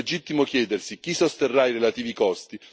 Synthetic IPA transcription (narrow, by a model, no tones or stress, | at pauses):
ed͡ʒit̪ːimok̟jɛːd̪ersik̟isːost̪erːairelat̪iːvikɔst̪i